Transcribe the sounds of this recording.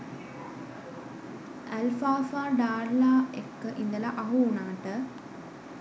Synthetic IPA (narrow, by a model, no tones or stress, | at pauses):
elfaːfaːɖaːɾlaːekːəʔind̪ɐlɐʔɐɦuːɳaːʈə